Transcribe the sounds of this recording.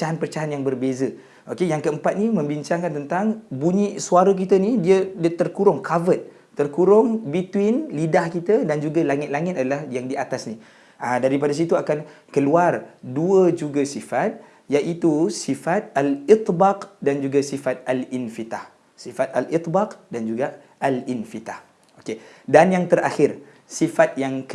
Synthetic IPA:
pət͡ʃaɦanpərt͡ʃaɦanjaŋbərbezə | ʔokejaŋkəəmpat̪̚nimə̃mbiɲt͡ʃaŋkant̪ənt̪aŋbuɲisuaɾək̬it̪ənidiədt̪ərkuɾʊŋkʰavət̪̚ːərkuɾʊŋbit̪winlidahkit̪ədand͡ʒuɡalaŋɪt̪̚laŋɪt̪adalahjaŋdiat̪asni | ədaɾipadas̬it̪uakan | kəluarduəd͡ʒuɡasifat̪̚ | jaʔit̪usifat̪̚alit̪ˤbaqdand͡ʒuɡasifat̪̚alinfit̪ah | sifat̪alʔit̪baqdand͡ʒuɡa | ʔalinfit̪ah | okedanjaŋt̪əɾaxɪr | sifat̪̚jaŋk

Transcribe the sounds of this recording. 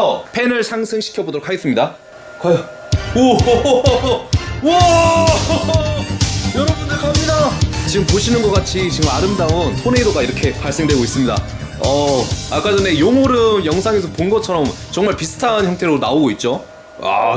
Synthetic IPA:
ʌpʰe̞nɯɭsʰaŋsʰɯŋɕʰi̥kʰjʌbodoɾokʰaɡe̞s͈ɯmɲida | kaj | wʌ | wʌ | jʌɾʌdɯndeɭkamɲidat͡ɕiɡɯmpoɕʰinɯnɡʌk͈at͡ɕʰit͡ɕiɡɯmaɾɯmdaɯnsʰonedoɡaiɾʌkʰe̞paɭs͈e̞ŋdweɡois͈ɯmɲida̰ | ʌak͈ad͡ʑʌne̞joŋoɾɯnjʌŋsʰaŋe̞s̬ʰʌponɡʌt͡ɕʰʌɾʌmt͡ɕʌŋmaɭpisʰɯ̥tʰançjʌŋtʰe̞ɾonaoɡoit̚t͡ɕ͈o | a̰

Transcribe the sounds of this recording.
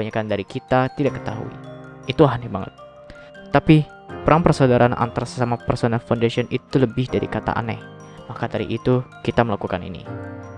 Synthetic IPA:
aɲakandaɾikit̪at̪idaʔkːə̥t̪a̰ɦṵḭ | it̪uɦanɛbaŋə̰t̪̚ː | api | pəɾaŋpərsodaɾanʔa̰nt̪aɾasə̥samapərsonalfawndasiɔnit̪uləbɪhdaɾḭkat̪a̰ʔa̰nɛ̰h | makadaɾḭʔit̪ukit̪aməlakukanḭnḭ

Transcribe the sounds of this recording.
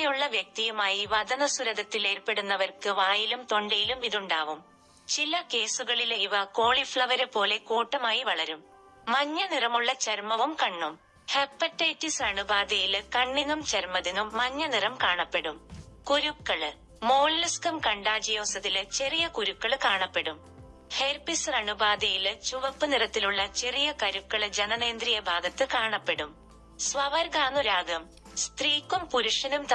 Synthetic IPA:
juɭːɐʋjɐk̚t̪ijumaːjiʋɐd̪ɐnɐsuɾɐðɐt̪ːile̞ːrpːe̞ɽunːɐʋɐrkɨʋaːjilumt̪o̞ɳɖɐjilumiðuɳɖaːʋum | t͡ɕilɐke̞ːsuɣɐɭilejʋɐko̞ːɭifɭɐʋɐɾɨpːo̞ːle̞kuːʈːɐmaːjiʋɐɭɐɾumː | ɐɲːɐnirɐmuɭːɐt͡ɕɐɾmɐʋumkɐɳːum | hepːɐtːeːtːisaːɳɨbaːd̪ijilkɐɳːinːumt͡ɕɐɾmɐðinːumːɐɲːɐnirɐmkaːɳɐpːe̞ɽumkuɾukːɐɭɨ | mo̞ːllɐskɐmkɐɳɖaːd͡ʑɐjo̞ːsɐðilt͡ɕe̞rijɐkuɾukːɐɭkaːɳɐpːe̞ɽum | heɾpisrɐɳubaːd̪ɐjilt͡ɕuʋɐpːɨniɾɐt̪ːiluɭːɐt͡ɕe̞rijɐkɐɾukːɐɭd͡ʑenɐneːnd̪rijɐbʱaːɡɐt̪ːɨkaːɳɐpːe̞ɽum | sʋɐʋɐɾɡaːnuɾaːɡɐm | st̪riːkːumpuɾuʂɐnumt̪

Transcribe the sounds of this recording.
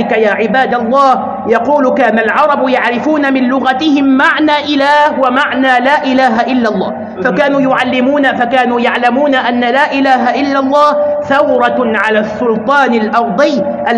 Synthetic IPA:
ɪkajaːʕɪbaːd̪alˤːɑːh | jɑquːlʊkaːnalʕɑɾˤɑbjaʕɾɪfuːnamɪnlʊɣat̪ɪhɪmːaʕnaːʔɪlaːhwamaʕnaːlaːʔɪlaːɦaʔɪlːalˤːɑː | fakaːnuːjʊʕalːɪmuːnafakaːnuːjaʕlamuːnaʔanːalaːʔɪlaːɦaʔɪlːalˤːɑːhθawɾˤɑʕalaːsːʊlt̪ˤɑːnalʔɑɾˤd̪ˤɪj | ʔa

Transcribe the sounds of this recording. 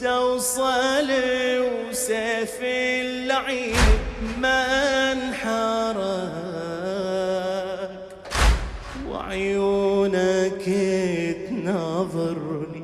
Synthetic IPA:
t̪awsˤɑlw | safilːaʕi | manħɑɾˤɑ | k | wɪ̰ʕjuːnaket̪nɑðˤɑɾli

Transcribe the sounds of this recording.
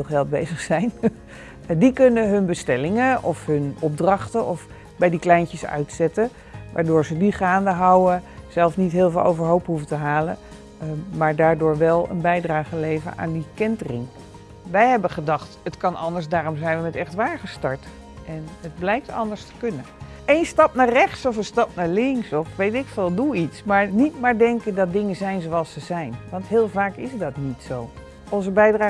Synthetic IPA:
ɪlˠχɛlˠt̚bejzəχsɛjn | dikɵnəɦɵnbəstɛlɪŋəʔɔfɦɵnɔb̚drɑχtəʔɔf | bɛjdiklɛjncəsœ̰ɥtsɛtə | ʋʔaːɹdʊːɹzədiχaːndəɦɑwəz̥ɛlˠfnitɦɪːlˠvɪːlˠʔo̰wvəɹɦowpɦuvətəɦaːlə̰ | maːɹdaːɹdʊːɹʋɛlˠə̰nbɛjdraːχəlejvə̰na̰ːndikɛntrɪ̰ŋ | ʋɛjɦɛbəχədɑχtətkɑnɑndəɹsdaːɾɔmzɛjnʋəmɛtɛχtʋaːɹχəstɑɹt | ʔɛnəd̚blɛjk̚tʰɑ̰ndəɹstə̥kɵnə | ejnstɑpnaːrɛχtsɔfənstɑp̚naːɹlɪŋksɔfʋejtɪkfɪlˠduitsmaːɹnitmaːɹdɛŋkədɑt̚dɪŋəzɛjnzowɑlˠsəzɛjnʋɑntɦɪːlˠvaːkɪsdɑtnitsow | ʔɔnzəbɛjdraː

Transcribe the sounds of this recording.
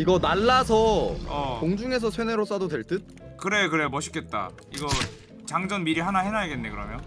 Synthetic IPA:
iɡʌnaɭːasʰʌʌkoŋd͡ʑuŋe̞s̬ʰʌsʰweneɾos͈adodweɭt͈ɯt̚ | kɯɾe̞kɯɾemʌɕʰi̥k͈e̞t̚t͈a̰ | iɡʌ | t͡ɕaŋd͡ʑʌnmiɾiɦanahenajiɡe̞nːekɯɾʌmjʌn

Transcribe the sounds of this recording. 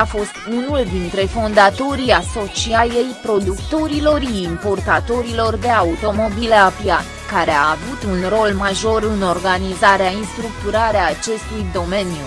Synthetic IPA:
afo̞st̪unuld̪int̪ɾe̞fo̞nd̪at̪o̞ɾiaso̞t͡ʃiaje̞jpɾo̞d̪ukt̪o̞ɾilo̞ɾiiːmpo̞rt̪at̪o̞ɾilo̞rd̪e̞aut̪o̞mo̞bile̞apjat̪kaɾe̞aːvut̪unro̞lmaʒo̞ɾɨno̞rɡanizaɾeainst̪ɾuk̚t̪uɾaɾeaːt͡ʃe̞st̪ujd̪o̞me̞njṵ

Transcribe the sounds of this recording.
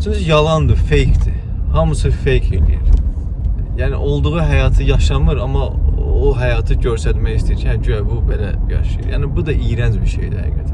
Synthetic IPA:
t͡ʃʰyɲcʰijɑlˠɑnd̪ɯfejcd̪i | hɑmɯsɯfejcʰḛlḭjḭɾi | jæːnḭʔo̞lˠd̪uɣuɦæjɑːt̪ʰɯjɑʃɑmɯɾɑmɑoɦæjɑːt̪ʰɯɟøɾsæt̪mæçist̪ʰijt͡ʃʰinæd͡ʒyæbubelæ̰jɑ̰ʃɯjɯ̰ɾjæ̰ːnibud̪ɑʔijɾænd͡ʒbiɾʃḛjd̪ihæ̰ɡæt̪ʰæ

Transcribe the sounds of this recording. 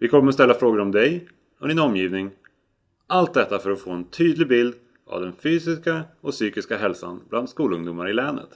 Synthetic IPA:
vɪkʰɔmːəɾɔst̪ɛlːafɾoːɡɾɔmd̪ɛj | ɔd̪ɪːnɔmjiːvnɪŋ | ʔalt̪̚d̪ɛt̪ːafœɾɔfoːɛnt̪ʰyːd̪lɪɡbɪld̪ | a̰vd̪ɛnfyːsɪskaɔsyːkɪskaɦɛlsa̰nbland̪skuːlɵŋd̪ʊmaɾɪlɛːnə̰t̪

